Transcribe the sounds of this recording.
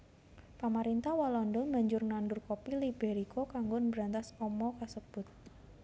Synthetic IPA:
pamaɾint̪ahwalɔndɔnmaɲd͡ʒʊrnanɖʊrkopilibeɾikokaŋɡʊnbɾant̪asɔmɔkasəb̥ʊt̪̚

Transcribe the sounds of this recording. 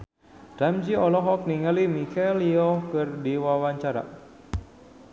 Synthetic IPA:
damd͡ʒiɔlɔɦɔk̚niŋalimikaliɔkɨrdiwawaɲt͡ʃaɾa̰

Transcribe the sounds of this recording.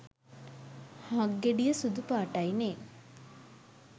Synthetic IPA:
hãɡːeɖijəsud̪upaːʈɐineː

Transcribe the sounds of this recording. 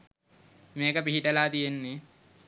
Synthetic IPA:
meːkəpiɦiʈəlaːt̪ijenːe

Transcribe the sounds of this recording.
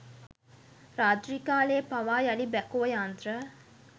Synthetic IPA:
ɾaːt̪ɾikaːleːpaʋaːjalibækuʋəjant̪ɾə

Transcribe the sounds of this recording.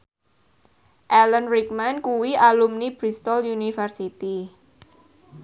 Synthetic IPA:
ʔɛlənrikmankuwiʔalumnib̥ɾist̪ɔljunifərsit̪i

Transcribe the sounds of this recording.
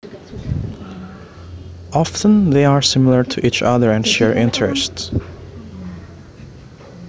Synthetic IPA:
ʔɑfə̃nðeɪaɹsɪml̩ˠəɹtʰɨʔit͡ʃʌ̰ðəɹɨ̃nʃɛɹʔɪ̃ntʰɹɛst

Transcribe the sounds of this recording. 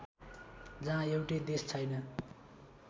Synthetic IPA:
d͡zããjewʈed̪est͡sʰʌjnʌ

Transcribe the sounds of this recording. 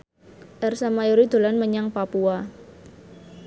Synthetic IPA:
ʔɛrsamajuɾid̪̥o̤lanməɲaŋpapua

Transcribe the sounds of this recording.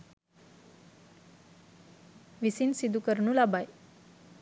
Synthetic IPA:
ʋisinsid̪ukəɾɳũlabaj

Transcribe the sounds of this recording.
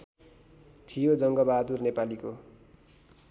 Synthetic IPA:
t̪ʰijod͡zʌŋɡʌbad̪urnepaliko

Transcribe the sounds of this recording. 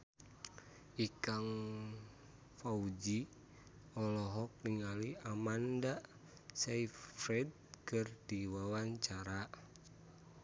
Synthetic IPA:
ʔikaŋ | faud͡ʒi | ɔlɔɦɔk̚niŋaliamanda | saifɾɛd̚kɨrdiwawaɲt͡ʃaɾa

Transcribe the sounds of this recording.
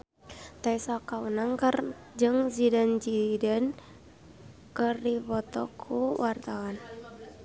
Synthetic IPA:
t̪aisakaunaŋkər | d͡ʒɨŋzidand͡ʒidən | kərdipɔt̪ɔ̰kʰuwart̪awan

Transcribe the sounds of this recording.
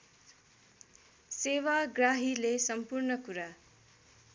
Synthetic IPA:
sewaɡraɦilesʌmpurnʌkuɾa

